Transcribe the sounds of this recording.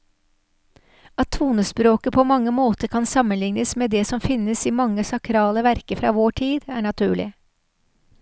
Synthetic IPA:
ɑt̪ʰːʋuːnəspɾoːkəpʰɔmɑŋːəmoːt̪əɾkʰɑnsɑmənlɪŋnəsmeːd̪ɛsɔmfɪnːəsiːmɑŋːəsɑkʰɾɑːləʋæɾkəfɾɑ̰ːʋoːʈʰiːd̪æːɳɑt̪ʰʉːɭɪ̰

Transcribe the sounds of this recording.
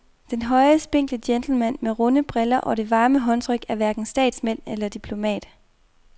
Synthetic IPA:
d̥enɦɒ̽ɪɐsb̥e̝ŋ̰ɡ̥ləd̥jend̥l̩mæn̰meʁɔ̽nəb̥ʁelɐʔɒ̽ɾ̥e̝ʋɑ̈ːməɦɒ̽nt͡sʰʁœɡ̥æɐʋæɐɡ̥n̩sd̥ɛ̰ːd̥smen̰elɐd̥ipʰlo̝mɛ̰ːd̥

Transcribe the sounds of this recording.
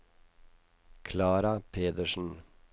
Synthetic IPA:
kʰlɑːɾɑpʰeːd̪əʃn̩

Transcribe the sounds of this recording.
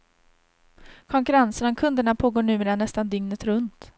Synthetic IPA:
kʰɔŋkɵɾansənɔmkʰɵnd̪əɳapʰoːɡoːɳʉ̟ːmeːɾanɛst̪and̪ʏŋnət̪ɾɵnt̪

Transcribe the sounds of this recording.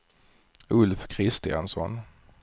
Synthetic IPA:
ɵlfkʰɾɪst̪ɪansɔ̰n

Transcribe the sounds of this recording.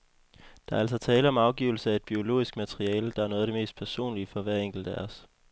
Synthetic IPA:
d̥ɑ̈ɐæl̰s̬ɒ̽t͡sʰɛːləɒ̽mɑ̈ʊɡ̥ḭʊl̩səæe̝d̥̚b̥io̝lo̝̰ːisɡ̥mæt͡sʰʁiɛːld̥ɑ̈æɐnɔ̽ð̞̩ˠɾe̝me̝̰ːsd̥̚pʰæɐso̝̰ːnlifɒ̽ʋæɐeŋ̰ɡ̥l̩d̥æɐs

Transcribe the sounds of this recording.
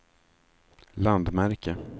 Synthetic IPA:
land̪mæɾkə

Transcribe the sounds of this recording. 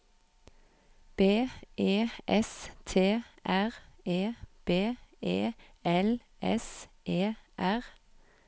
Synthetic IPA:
b̥eːʔeːʔɛst̪ʰeːʔæʁeːb̥eːeːɛl | ʔɛ̰sʔeːʔæʁ

